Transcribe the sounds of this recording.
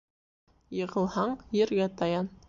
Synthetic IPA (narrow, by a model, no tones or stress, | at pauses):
jɤʁə̆lˠhɑɴjeɾɡʲæt̪ʰɑjɑn